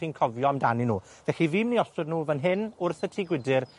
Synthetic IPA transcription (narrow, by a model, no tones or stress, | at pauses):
inkʰɔvjɔamdaninuː | vðɛxiviːmniɔstɨdnuːvənɦɪnʊrθətʰiɡwɪdɪr